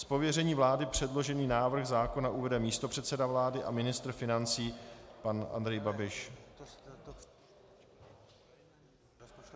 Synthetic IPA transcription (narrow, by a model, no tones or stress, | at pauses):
spo̞vjɛrɛɲiːvlaːdɪpr̝̥ɛdlo̞ʒɛniːnaːvr̩xzaːko̞naʔuvɛdɛmiːst̪o̞pr̝̥ɛt̪sɛdavlaːdɪʔa̰mɪnɪst̪r̩fɪnant͡siːpanʔa̰nd̪ɾɛjbabɪʃ